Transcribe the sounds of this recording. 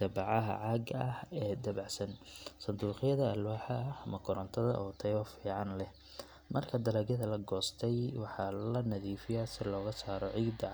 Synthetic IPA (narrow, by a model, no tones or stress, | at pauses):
d̪ɐbɑʕɑɦɐ̰ʕɑːɡɐhɛːd̪ɐβɑʕsɐnsɐnd̪uːqɪjɐðɐːlwaːħɑɐhɐmɐkʰʊɾɔnt̪ʰɐðɐ̰ʔɔːt̪ʰɛjβɐfiːʕɑnlɛh | mɐrkʰɐd̪ɐlɛːɡjɐðɐlɐɡɔːst̪ʰɛjwɑħɑlɐnɐðiːfɪjasɪlɔːɣɐsaːɾɔʕiːd̪ɐʕ